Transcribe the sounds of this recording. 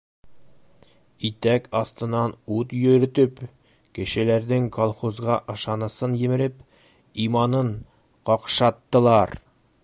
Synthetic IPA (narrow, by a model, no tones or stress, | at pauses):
it̪ækɒst̪ɤ̆nːɑnut̪jɵ̆ɾɘ̆t̪ɵp | kɘ̆ʃɘ̆læɾd̪ɘŋkolˠχozʁɑʔɤ̆ʃɑnɤ̆sɤnjɘ̆mɘ̆ɾɘp | imɑnɤɴ | qɒqʃɑt̪ːɤ̆lˠɑɾ